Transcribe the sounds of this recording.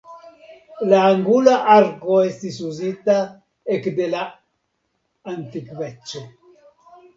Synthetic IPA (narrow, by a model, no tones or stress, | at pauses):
laːŋɡulaʔaɾkoest̪isuzit̪a | ekd̪ela | ant̪ikbet͡ʃːe